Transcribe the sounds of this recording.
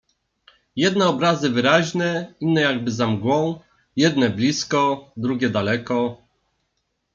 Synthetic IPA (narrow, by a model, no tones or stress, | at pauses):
jɛd̪̚nɛɔbɾazɘvɘɾaʑnɛinːɛjaɡ̚bɘzamɡwɔ̃w̃ | jɛd̪nɛblʲiskɔd̪ɾuɡʲɛd̪alɛkɔ